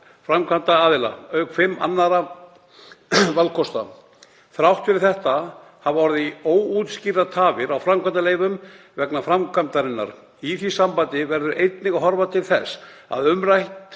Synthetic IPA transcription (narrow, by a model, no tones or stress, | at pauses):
fɾamkʰvant̪aːðɪla̰œɥkfɪmːa̰nːaɾa | valkʰɔst̪a̰ | θɾawht̪fɪɾɪθɛht̪a | havɔɾðioːwut̪scirat̪ʰaːvɪɾawfɾamkʰant̪aleːjvʏm | vɛknafɾamkʰvant̪aɾɪnːa̰ɾ | iθisampant̪ɪvɛɾðʏɾʔejt̪nɪɣaɦɔɾvat̪ʰɪlθɛsː | a̰ðʏmɾajht̪